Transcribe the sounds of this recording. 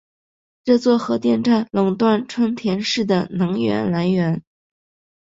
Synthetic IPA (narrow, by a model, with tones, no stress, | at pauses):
ʈ͡ʂɤ˥˧t͡swɔ˥˩xɤ˧˥t̪jɛ˥˧nʈ͡ʂa˥˩nlɤ˨˩ŋt̪wa˥˩nʈ͡ʂʰwə˥nt̪ʰjɛ˧˥nʂɻ̩˥˩d̪ə˩nɤ˧˥ŋɥɛ̰˧˥nla˧˥nɥɛ˧˥n